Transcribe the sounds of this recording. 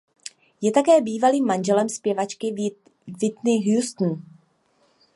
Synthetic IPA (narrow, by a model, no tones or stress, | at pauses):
jɛt̪akɛːbiːvaliːmːanʒɛlɛmspjɛvat͡ʃkɪ | vɪt̪nɪɦjust̪n̩